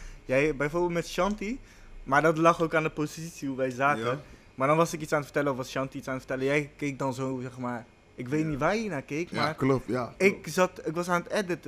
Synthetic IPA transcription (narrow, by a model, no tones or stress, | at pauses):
jɛjbɛjfoːɹbɪlˠtmɛtʃɑnti | maːɹdɔtlɑχokaːndəpozitsiuʋɛjzaːkə | maɹdɔnʋɑsɪkitsaːnətfə̥tɛləɔfʋɑsʃɑntiitsaːnətfə̥tɛləjɛjkejk̚dɑnzowzɛχmaːr | ʔɪkʋejtnitʋaːɹiːnaːkejkmaː | ɪkzɑtɪkʋɑsaːnətɛdət